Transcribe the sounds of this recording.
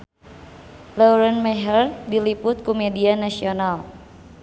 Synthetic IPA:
lauɾɛnmɛɦərdilipʊt̪̚kumedianasional

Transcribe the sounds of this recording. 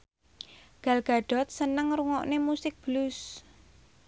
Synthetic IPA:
ɡ̥alɡ̥a̤ɖ̥ɔ̤t̪̚sənəŋruŋɔʔnemusɪk̚b̥lus

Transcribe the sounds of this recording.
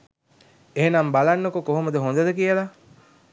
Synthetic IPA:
eɦenambalanːokokoɦoməd̪əɦond̪əd̪əkijəla

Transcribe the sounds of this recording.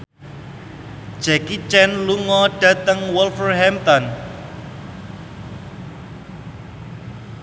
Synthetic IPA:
d̥ʒ̥ɛkit͡ʃɛnluŋɔɖ̥ä̤t̪əŋwɔlfərɦɛmt̪ɔn

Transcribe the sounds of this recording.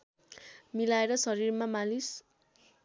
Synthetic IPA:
milaeɾʌsʌɾirmamalis

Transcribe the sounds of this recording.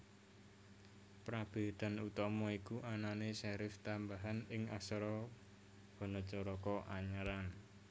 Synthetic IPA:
pɾab̥e̤d̪̥a̤nut̪ɔmɔikuʔananesɛɾɪft̪ambaɦanɪŋasɾɔ | b̥ɔ̤nɔt͡ʃɔɾɔkɔʔaɲəɾan

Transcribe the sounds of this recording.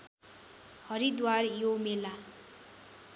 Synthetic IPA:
hʌɾid̪warjomela

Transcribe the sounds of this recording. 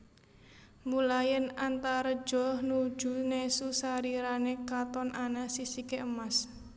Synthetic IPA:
mulajənant̪aɾɔd̥d͡ʒ̥ɔhnu̥ʒ̥ṳnesusaɾiɾanekat̪ɔnʔanasisikeʔəmas

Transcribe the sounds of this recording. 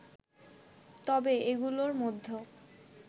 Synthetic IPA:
t̪ɔbeeɡuloɾmod̪ʱːo

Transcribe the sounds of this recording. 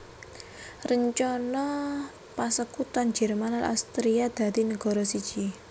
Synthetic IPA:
rəɲt͡ʃɔnɔ | pasəkut̪and͡ʒɛ̤rmanalʔa̰st̪ɾijad̪̥ä̤d̪inəɡ̥ɔ̤ɾɔsid̥ʒ̥i

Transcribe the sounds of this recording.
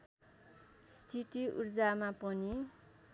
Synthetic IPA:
st̪ʰit̪iʔṵrd͡zamapʌni

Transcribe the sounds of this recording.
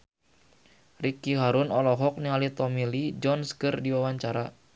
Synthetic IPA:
rikiɦaɾunɔlɔɦɔk̚niŋalit̪ɔmilid͡ʒɔnskɨrdiwawaɲt͡ʃaɾa

